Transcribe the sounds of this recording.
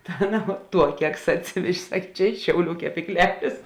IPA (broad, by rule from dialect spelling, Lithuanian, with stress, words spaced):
tɐ ˈɑːˌnɐ ˈtuɔ ˈkʲæːksɐ ɐtʲˈsʲɪʋʲɛʒʲeː ˈsɐkʲ ˈt͡ʃʲɛ ˈɪʃ ʃʲɛʊˌlʲuː kʲɛpʲiːkˈlʲæːlʲeːs